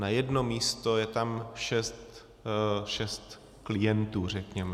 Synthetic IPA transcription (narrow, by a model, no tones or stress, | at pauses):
najɛdno̞miːst̪ojɛt̪amʃɛst̪ | ʃɛst̪ | klɪjɛnt̪uːr̝ɛkɲɛmɛ